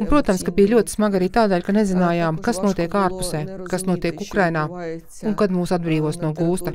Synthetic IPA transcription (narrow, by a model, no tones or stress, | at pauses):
unpɾuɔt̪amskabijlʲuɔt̪i̥smaɡaɾiːt̪aːd̪ɛːlʲkanezinaːjaːmkasnuɔt̪iɛkaːɾpu̥sɛːkasnuɔt̪iɛkukɾajnaː | uŋkad̪muːsad̪̚bɾiːʋuɔsnuɔɡuːst̪ɐ